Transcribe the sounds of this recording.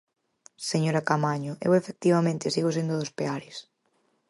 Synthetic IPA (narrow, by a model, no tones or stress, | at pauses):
seɲoɾakamaɲʊʔḛwefek̚t̪iβamẽnt̪esiɣosend̪oðospeaɾɪs